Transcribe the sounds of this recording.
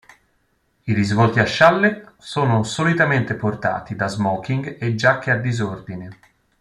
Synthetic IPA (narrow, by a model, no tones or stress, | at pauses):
iɾizvɔlt̪iaʃːalːesoːnosolit̪ament̪eport̪a̰ːt̪id̪azmɔk̟iŋɡed͡ʒakːead̪izord̪ine